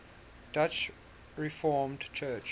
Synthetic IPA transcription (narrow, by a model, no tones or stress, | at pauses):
d̥at͡ʃ | ɹifɔːmdt͡ʃʰɜt͡ʃ